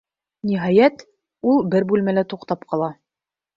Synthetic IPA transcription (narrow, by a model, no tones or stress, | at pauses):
niɦɑjæt̪ | ulˠbɘɾbʉlmælæt̪uqt̪ɑpqɑlˠɑ